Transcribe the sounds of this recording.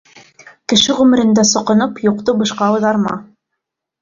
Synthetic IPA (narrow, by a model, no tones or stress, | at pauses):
kɘ̆ʃɘʁʉmɘ̆ɾɘ̆nd̪æsŏqɤ̆nɤpjuqt̪obɤ̆ʃqɑwɤðɑɾmɑ̰